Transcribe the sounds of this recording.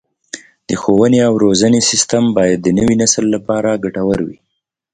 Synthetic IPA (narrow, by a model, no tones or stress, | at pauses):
d̪̥əxowəneawɾozanesɪst̪ambɑjad̪ːənəwinasəlːapɑɾaɡaʈawəɾwḭ